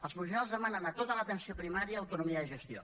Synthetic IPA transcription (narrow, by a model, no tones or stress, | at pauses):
əlˠzmuʒinalˠzðəmanənət̪ot̪ələt̪ənsiopɾimaɾjɐːwt̪unumiəiʒəst̪jo̰